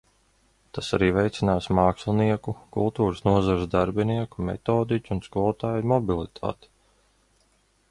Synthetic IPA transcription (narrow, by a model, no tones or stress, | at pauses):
t̪asaɾiːvɛjt̪sinaːsmaːkslˠiniɛkukulˠt̪uːɾəsnuɔzaɾzd̪aɾbiniɛkumɛ̰t̪ɔːd̪icʲunskɔlt̪aːjmɔbilˠit̪ʰa̰ːt̪i̥